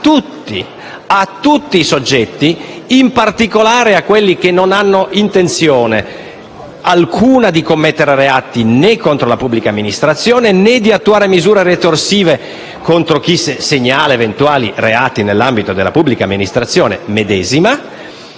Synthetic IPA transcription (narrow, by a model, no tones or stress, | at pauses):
t̪ut̪ːi | at̪ːut̪ːiːsod͡ʒːɛt̪ːiːmpart̪ikolaːɾeakːwelːik̟enːonanːoʔint̪ent̪sjɔːne | alkʰuːnad̪ikomːɛt̪ːeɾeɾeat̪ːinekːont̪ɾolapubːlikamːinist̪ɾat̪sːjɔːnenɛd̪iat̪ːuaːɾemizuːɾeret̪orsiːve | kont̪ɾok̟iseseɲːaːlevent̪uaːlḭreaːt̪inelːambit̪od̪elːa̰pubːlikamːinist̪ɾat̪sːjɔːnḛmed̪ɛːzima